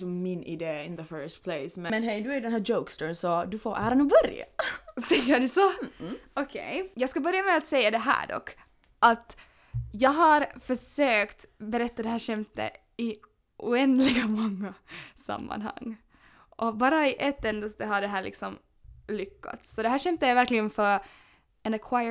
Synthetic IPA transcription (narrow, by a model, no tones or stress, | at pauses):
sɔmːɪnɪ̰d̪eːɪnðəfɜːst̪pʰleɪsmɛɛnɦɛɪd̪ɵæɾdɛnhæːd͡ʒoʊkst̪əːnsɔd̪ʉfoːɾʔæːɾanubœɾja̰t̪ʰɛŋkəd̪ɛsɔɔkʰḛjjɑːɡskabœɾjamɛat̪sɛjːad̪ɛɦæ̰ːɖɔ̰kː | ʔat̪ | jɑːɡɦaɾfœʂøːkt̪bɛɾɛt̪ːad̪ɛɦæːʂɛmt̪ə̰ | ɪ | ʔṵːɛnd̪lɪɡamɔŋːasa̰mːa̰nha̰ŋː | ʔɔbɑːɾaɪʔɛt̪ːɛnd̪əst̪əɦaɖɛɦæːɾɭɪ̰ksɔm | lʏkːa̰t̪sːɔd̪ɛɦæːʂɛmt̪əæɾvæɾklɪɡənfœɾ | ɛnɛkʰwaɪə